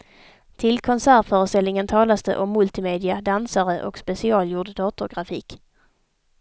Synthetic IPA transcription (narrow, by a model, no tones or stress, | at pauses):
t̪ʰɪlkʰɔnsæːɾfœːɾəst̪ɛlnɪŋənt̪ʰɑːlast̪ə̰ʔɔmːɵlt̪ɪmeːd̪ɪad̪ansaɾəʔɔ̰kspɛsɪɑːljuːɖd̪ɑːt̪ʊɾɡɾafiːk